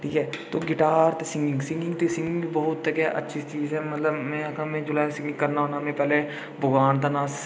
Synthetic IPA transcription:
ʈʰiːkɦɛː | t̪oːɡɪʈaːɾt̪esɪ̃ŋɡɪ̃ŋɡsɪ̃ŋɡɪ̃ŋɡt̪esɪ̃ŋɡɪ̃ŋbibəɦʊt̪ːəɡɛʔə̰tːʃʰit͡ʃiːzɦɛːmɐt̪ləbmɛ̃akʰãmɛ̃ːd͡ʒʊlaːisɪ̃ŋɡɪ̃ŋkəɾnaɦoːnamẽːpɛːle | bʱʊɡaːnt̪̬anaːs

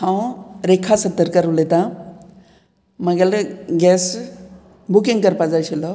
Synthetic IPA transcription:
hãw̃ɾekʰasɐt̪ːəɾkɐɾulet̪ã | mɐɡelɡɛːs | bukiŋɡkɐɾpad͡zat͡ʃʰilɔ

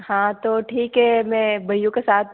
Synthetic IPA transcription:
hãːt̪oʈʰiːkɦɛmɛ̃bʱɐjõkesaːt̪̚

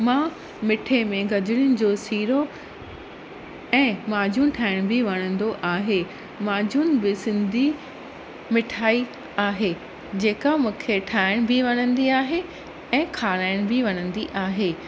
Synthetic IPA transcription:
mãː | mɪʈʰemẽɡɐd͡ʑʊɽ̃jʊnɪ̆d͡ʑoːsiːɾo | ɛ̃ːmaːd͡ʑʱunɪ̆ʈʰaːɪɽ̃bɪʋɐɽ̃ə̃nd̪oʔaːɦe | maːd͡ʑʱuːnɪ̆bɪsɪ̃nd̪ʱi | mɪʈʰaːi | aːɦe | d͡ʑeːkamũːkʰeʈʰaːɪɽ̃bɪʋɐɽ̃ə̃nd̪iaːɦe | ɛ̃ːkʰaːɾaːɪɽ̃bɪʋɐɽ̃ə̃nd̪iʔaːɦeː

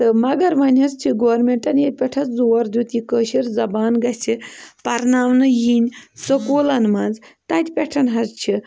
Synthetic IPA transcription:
t̪ɨmɐɡɐɾʋɐnʲɦɐst͡ʃʰiɡoɐɾmeɳʈɐnjet̪̚ʲpʲeʈʰɐzoːɐɾd̪ut̪ʲikəːʃiɾzɐbaːnɡɐt͡sʰipɐɾnaːʋnɨjinʲsəkoːlɐnmɐnd͡zt̪ɐ̃t̪ʲpʲeʈʰɐnɦɐzt͡ʃʰi

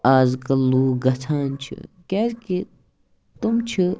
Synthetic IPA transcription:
aːzkɐluːɡɐt͡sʰaːnt͡ʃʰɨ̰kʲeːɾki | t̪umt͡ʃʰɨ

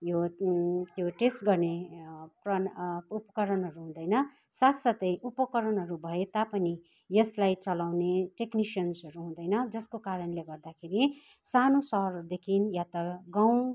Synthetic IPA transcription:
jo | t̪joʈesʈɡʌrneprʌupʌkʌɾʌnɦʌɾuɦũd̪ʌjnʌ | sat̪ʰsʌt̪ʌjʔupʌkʌɾʌnɦʌɾubʱʌet̪apʌni | jʌslajt͡sʌlawneʈeknisʌnsʌɾuɦũd̪ʌjnʌd͡zʌskokaɾʌnleɡʌrd̪akʰeɾi | sanosʌɦʌrd̪ekʰinjat̪ʌɡaw̃

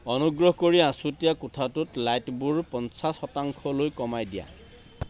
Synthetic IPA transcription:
ɔnuɡɹɔɦkoɹiãsutijakʊtʰatʊtlajtbuɹpɔnsasxɔtaŋkʰɔlojkɔmajdija̰

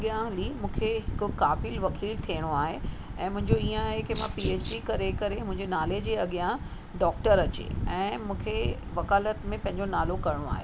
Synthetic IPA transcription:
ɐɠjãlimũːkʰeɦɪkʊkaːfɪːlʋɐkʰiːlt̪ʰiːəɽ̃oaːɦeɛ̃ːmʊ̃ɦɪ̃ɲd͡ʑoiːẽaːɦekemãpiːeːt͡ɕɖikɐɾekɐɾemʊ̃ɦɪ̃ɲd͡ʑenaːled͡ʑeːɐɠijã | ɖɔːk̚ʈəɾɐt͡ɕḛɛ̃ːmũːkʰeʋɐkaːlət̪mẽpɐ̃ɦɪ̃ɲd͡ʑonaːlokɐɾəɽ̃oa̰ːɦḛ

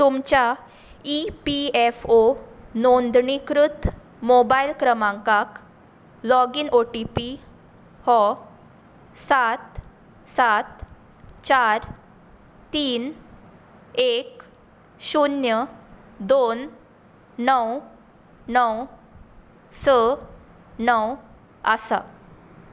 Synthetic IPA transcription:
t̪umt͡ɕa | ipiɛfonond̪ɳikɾut̪ | mobailkɾəmãŋkak | lɔɡinʔoʈipi | hɔ | sat̪ | sat̪ | t͡ɕaɾ | t̪iːn | ek | ɕunjə | d̪onː | əw | nəw | sə | nəw | əsa̰

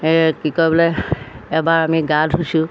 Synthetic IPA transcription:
ekikɔbɔlɛɛbaɹamiɡadʱusʊ̃

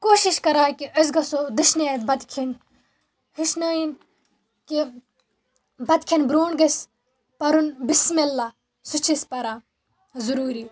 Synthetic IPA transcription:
koːʃiʃkɐɾaːkiʔɐzɡɐsod̪ɐʃneet̪̚bɐd̪kʰin | hiʃnɐin | ki | bɐd̪kʰinbɾoːɳɡɐs | pɐɾunbismelːa | sut͡ʃʰispɐɾa | zuɾuːɾi

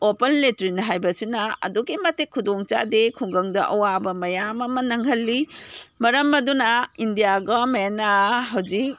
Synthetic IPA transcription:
opɐlːetɾinɦajbɐsinɐɐ̰duɡimɐtekʰːudoŋt͡ʃa̰dekʰuŋɡɐŋdɐ̰ʔɐwabɐmɐjamɐmɐnɐŋɦɐlːimɐɾɐmɐdunɐindijaɡɐmenaɦɐwd͡ʒik̚

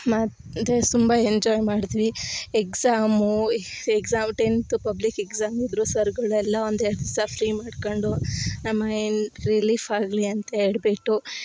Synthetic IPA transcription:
mɐet̪umbɐeɲd͡ʒɔːjmaːɖt̪iʋieksaːmuekzaːmʈent̪upɐblikekzaːmid̪ɾusɐɾɡɐɭuɛlːɐond̪eɾd̪isɐpʰɾiːmaːɖkoɳɖunɐmːɐenɾiliːfaːɡliɐnt̪ɐeːɽbeʈu

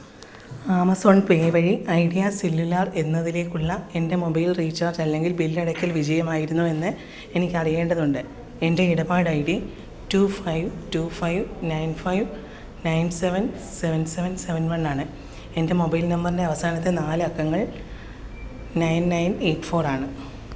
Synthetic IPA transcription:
aːmɐso̞ːɳpe̞ːbɐɻiʔɐjɽijasilːulaːre̞nːɐðile̞ːkʲːuɭːɐe̞nde̞mo̞bɐjilriːt͡ɕːaːrd͡ʑɐlːe̞ŋɡilbilːɐɽɐkʲːɐlʋid͡ʑɐjɐmaːjiɾunːue̞nːɨ | e̞nikʲːɐrije̞ːɳɖɐðuɳɖɨ | e̞ndeiɽɐbaːɽɐjɽi | tuːfɐjʋtuːfɐjʋnɐjnfɐjʋ | nɐjnse̞ʋɐnse̞ʋɐnse̞ʋɐnse̞ʋɐnʋɐnːaːɳɨ | e̞nde̞mo̞bɐjlnɐmbɐrindeɐʋɐsaːnɐt̪ːenaːlɨɐkːɐŋːɐɭ | nɐjnnɐjne̞ːʈːfo̞ːraːɳɨ

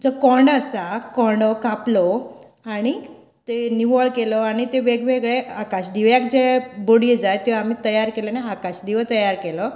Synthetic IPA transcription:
d͡zəkɔ̃ɳɖasakɔ̃ɳɖɔkaplɔ | aɽ̃i | t̪eniʋɔɭkelɔaɽ̃it̪eʋeɡʋeɡɭeakaɕd̪iʋjakd͡ʑeboɽid͡zajt̪ɔamit̪əjaɾkelenaakaɕd̪iʋət̪əjaɾkelɔ

